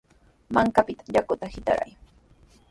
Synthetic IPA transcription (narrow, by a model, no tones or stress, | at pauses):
maŋkapɪt̪ḁʎakʊt̪ahɪt̪a̰ɾa̰j